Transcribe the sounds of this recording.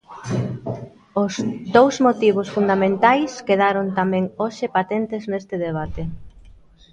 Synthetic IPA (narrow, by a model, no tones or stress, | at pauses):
ʊzd̪owzmot̪iβ̞ʊsfund̪amẽnt̪ajskeð̞aɾont̪amɛ̃ŋoʃɪpat̪ent̪ɪznest̪ɪðeβ̞at̪e